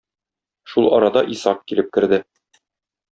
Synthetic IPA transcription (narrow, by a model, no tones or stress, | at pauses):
ʃulˠʔɒ̰ɾɑd̪ɑʔisɑq̚kilɘp̚kɘ̆ɾd̪ɘ